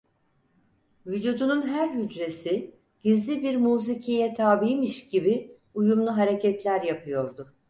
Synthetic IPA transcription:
vyd͡ʒuːd̪ununɦæɾɦyd͡ʒɾe̞si | ɟ̥izlʲibiɾmuːzicʰijɛt̪ʰaːbijmiʃɟibi | ujumlˠuɦaɾe̞cɛt̪lʲæɾjapʰɯjo̞ɾd̪ʊ

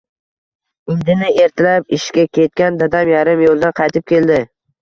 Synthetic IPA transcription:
ɪŋd̪ɪnɪe̞ɾt̪ʰɪlap̚ɪʃkʲakʲʰe̞t̪̚kʲand̪ad̪amjaɾɪmjolˠd̪anqʰɑjt̪ʰɪp̚kʲʰe̞ld̪ɪ

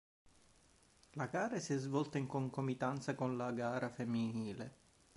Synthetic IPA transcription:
laɡaːɾasiɛzvɔlt̪aiŋkoŋkomit̪ant̪sakonlaɡaːɾafemːiniːle

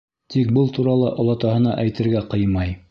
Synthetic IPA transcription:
t̪ik̚bɤlˠt̪uɾɑlˠɤʔŏlˠɑt̪ɑɦɤ̆nɑ̰ʔæjt̪ɘ̆ɾɡæqɤjmɑj

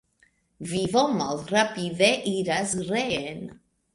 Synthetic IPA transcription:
vivomalˠrapiðeʔiɾasreen

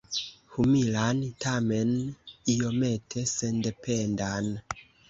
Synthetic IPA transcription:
humilantame̞niome̞tʰe̞se̞nde̞pe̞ndan

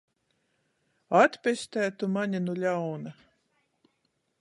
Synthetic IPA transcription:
at̪pʲɛsʲt̪æːt̪umaɲʲinulʲawna

